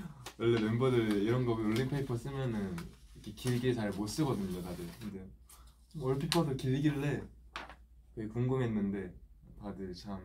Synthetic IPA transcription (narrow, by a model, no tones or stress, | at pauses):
wʌɭːemembʌdɯɭiɾʌnɡʌɡoɭːimpʰeipʰʌs͈ɯmjʌnɯnʌkʰekiɭɡet͡ɕaɭmos͈ɯɡʌdɯɲotadɯɭkɯnde̞ | ʌɭpʰipʰʌdokiɭɡiɭːe̞ | kɯɡekuŋɡɯmɦenːɯnde̞tadɯt͡ɕʰam